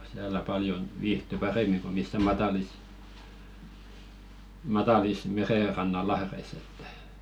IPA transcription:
siælæ pɑljon ʋiːhty pɑreˑmiŋ ko misːæ mɑtɑlis mɑtɑlis mereˑrɑnːɑ lɑhreis etːæ̥

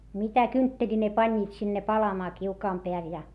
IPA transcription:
mitæ kyntːelʲi ne pɑnʲːiːt sinːe pɑlɑmɑː kiukɑːm peæl jɑ

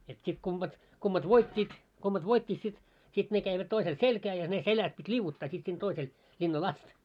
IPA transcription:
et sit kumb̥ɑt kumːɑt ʋoitʲːiːt kumːɑt ʋoitʲːit sit sit ne kæiʋæt toisel selkæː jɑ ne selæs pitʲ liuʋːutːɑː sit sin toisel lʲinːɑl ɑst

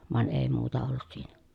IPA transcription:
ʋɑn eˑi̯ muːtɑ olːut siːn̥æ̥

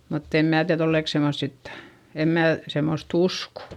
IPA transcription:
mutː em mæˑ tiæð olːeˑk semːost sit em mæː semːost usko

